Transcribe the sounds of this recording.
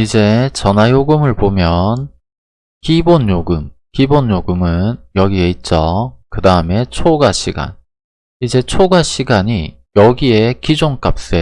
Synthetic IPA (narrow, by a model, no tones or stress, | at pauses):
id͡ʑe̞t͡ɕʌnajoɡɯmɯɭbomjʌn | kibonjoɡɯmkibonjoɡɯmɯnjʌɡie̞it̚t͡ɕ͈ʌkɯdaɯme̞t͡ɕʰoɡaɕʰiɡa̰n | id͡ʑe̞t͡ɕʰoɡaɕʰiɡaɲi | jʌɡie̞kid͡ʑoŋk͈ap̚s͈e